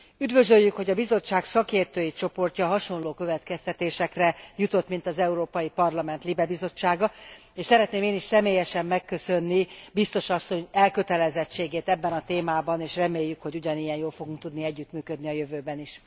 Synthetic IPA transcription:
yd̪vø̞zøjːykho̞ɟɒbizo̞t͡ʃːaːksɒkeːrt̪øːjit͡ʃo̞po̞rcɒɦɒʃo̞nloːkø̞vɛt̪kɛst̪ɛt̪eːʃɛkrɛjut̪o̞t̪ːmin̪t̪ɒzɛuɾoːpɒjipɒrlɒmɛnt̪libɛbizo̞t͡ʃːaːɡɒ | eːʃsɛɾɛt̪neːmeːniʃsɛmeːjɛʃɛmːɛkːø̞sønːibist̪o̞ʃɒsːo̞ɲɛlkø̞t̪ɛlɛzɛt͡ʃːeːɡeːt̪ɛbːɛnɒt̪eːmaːbɒneːʃrɛmeːjːykho̞ɟuɟɒnijɛnjoːlfo̞ɡuŋk̚t̪ud̪niɛɟːyt̪myːkød̪niɒjøvøːbɛniʃ

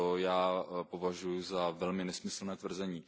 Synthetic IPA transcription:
ojaːpo̞vaʒujuzavɛlmɪnɛsmɪsl̩nɛːt̪vr̩zɛɲiː

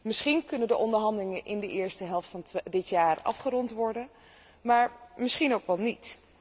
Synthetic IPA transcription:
mɪsχinkɵnəndəʔɔndəɹɦɑndəlɪŋənʔɪndəʔɪːɹstəɦɛlˠftfɑndɪtjaːrɑ̰fχəɾɔntʋɔɹdən | maːɹmɪsχinowkʋɛlˠnit

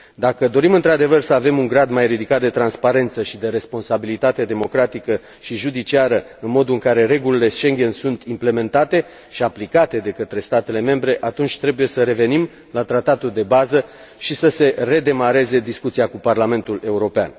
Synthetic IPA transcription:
d̪akəd̪o̞ɾimɨnt̪ɾad̪e̞vərsəave̞muŋɡɾad̪majɾid̪ikat̪̚d̪e̞t̪ɾanspaɾe̞nt̪səʃid̪e̞ɾe̞spo̞nsabilit̪at̪e̞d̪e̞mo̞kɾat̪ikə | ʃiʒud̪it͡ʃiaɾə | ɨnmo̞d̪uɨŋkaɾe̞ɾe̞ɡulile̞ʃe̞ŋɡʲe̞nsunt̪imple̞me̞nt̪at̪e̞ | ʃiaplikat̪e̞d̪e̞kət̪ɾe̞st̪at̪e̞le̞me̞mbɾe̞ʔat̪unt͡ʃʲt̪ɾe̞buje̞səɾe̞ve̞nim | lat̪ɾat̪at̪uld̪e̞bazə | ʃisəse̞re̞d̪e̞maɾe̞ze̞d̪iskut̪siakuparlame̞nt̪ule̞uɾo̞pea̰n

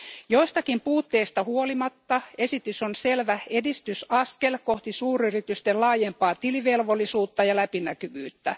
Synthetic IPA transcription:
jo̞ist̪ɑkimpuːt̪ːe̞ist̪ɑhuolimɑt̪ːɑesit̪ysonse̞lʋæedist̪ysɑske̞lko̞ht̪isuːryrit̪yst̪ellɑːjempɑːt̪iliʋelʋo̞lːˑisuːt̪ːɑjɑlæpinækyʋyːt̪ːæ

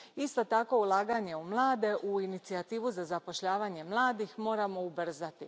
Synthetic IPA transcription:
ist̪o̞t̪ako̞ulˠaːɡaɲe̞umlˠaːd̪e̞ʔuinit̪siat̪iːʋuzazapo̞ʃʎaːʋaɲe̞mlˠaːd̪ixmo̞ːɾamo̞ubr̩zat̪i

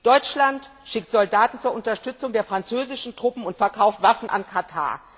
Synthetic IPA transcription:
d̥ɔʏt͡ʃlantʃɪk̚tz̥ɔldaːtn̩t͡suːɐʔʊntɐʃtʏt͡sʊŋdeːɐfʁ̥ant͡søːzɪʃn̩tʁ̥ʊpm̩ʊntfɛɐkʰaʊftv̥afn̩ʔa̰nkʰatʰa̰ːɐ

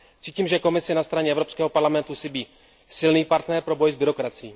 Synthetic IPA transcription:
r̥iːciːmʒɛko̞mɪsɪnast̪ɾaɲɛɛvɾo̞pskɛːɦo̞paɾlamɛnt̪usɪbiː | sɪlniːpaɾt̪nɛɾpɾo̞bo̞jzbɪɾo̞kɾat͡sɪjiː

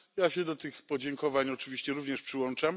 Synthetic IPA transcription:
jaɕɛd̪ɔt̪ɘxpɔd͡ʑɛŋkɔvaɲɔt͡ʂɘvʲiɕt͡ɕɛɾuvɲɛʂpʂɘwɔnt͡ʂam

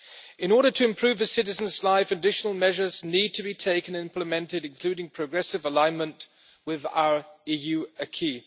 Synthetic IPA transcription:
ɨ̃nɔɹɾətʰɨɨ̃mpʰɹ̥ʉvɨsɪɾɨzə̃n̩zlaɪfɨdɪʃnəl̩ˠmɛʒə˞znid̚tʰɨbitʰeɪkɨ̃nɪ̃mpləmɛ̃ntɪɾɨ̃nkʰl̥ʉɾɪ̃ŋpʰɹ̥əɡɹɛsɨvəlãɪ̃nmə̃nʔ | wɪða̰ʊə˞ijʉɨkʰi

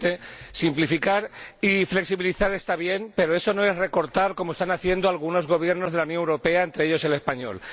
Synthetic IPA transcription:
t̪e̞simplifikaɾifle̞ksiβiliθaɾe̞st̪aβje̞mpe̞ɾoe̞so̞no̞e̞zre̞ko̞ɾt̪aɾko̞most̪anaθje̞nd̪o̞alɣuno̞zɣ̞o̞β̞je̞ɾnozðe̞launjo̞ŋewɾope̞aent̪ɾeeʎo̞se̞le̞spaɲo̞̰l

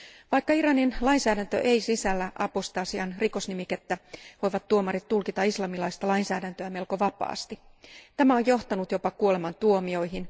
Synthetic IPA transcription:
ʋɑjkːɑiɾɑninlɑinsæːdænt̪ø̰ʔejsisælːæʔɑpost̪ɑːsiɑnriko̞snimiket̪ːæʋo̞jʋɑt̪ːuomɑrit̪t̪ːulkit̪ɑislɑmilɑist̪ɑlɑinsæːdænt̪øæme̞lko̞ʋɑpɑ̰ːst̪it̪æmæojjo̞ht̪ɑnut̪jo̞pɑkuo̞le̞mɑnt̪uomio̞jɦin

